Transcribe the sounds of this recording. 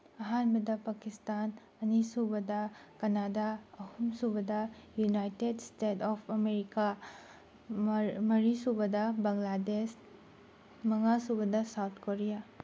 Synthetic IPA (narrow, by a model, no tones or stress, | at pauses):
ɐɦanbɐdɐpakistan | ɐnisubɐdɐkɐnadaɐhumsubɐdɐjunajtedstetʰɔpʰɐmeɾika | mɐɾisubɐdɐbɐŋlades | mɐŋasubɐdɐsawtʰkoɾija